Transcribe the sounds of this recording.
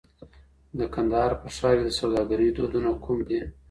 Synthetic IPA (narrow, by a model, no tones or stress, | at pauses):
d̪əkand̪ɑɑɾpəʂɑɾjed̪əsawd̪ɑɡaɾid̪od̪unokʰumd̪i